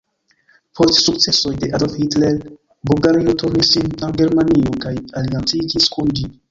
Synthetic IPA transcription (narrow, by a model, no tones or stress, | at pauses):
pʰo̞stsuk̚t͡se̞so̞jde̞ʔadofhitlel | bulɡaɾiotuɾnisːinaŋɡe̞ɾmaniokajaliant͡sid͡ʒiskʰund͡ʒi